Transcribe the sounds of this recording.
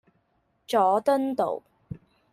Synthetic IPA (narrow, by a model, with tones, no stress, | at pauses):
t͡ʃɔː˨˥t̪ə˥nt̪o̰˨˩w